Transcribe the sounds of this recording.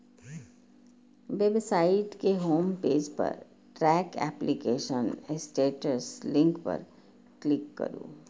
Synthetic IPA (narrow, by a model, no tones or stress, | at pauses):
ʋebsaːɪʈkeɦoːmpeːd͡ʒpɐ̰ɾ | ʈɾɛːkɛ̰ːplikeːʃənɪsʈeːʈəslɪ̃ŋkpɐ̰ɾ | klɪkːɐ̰ɾṵ̃ː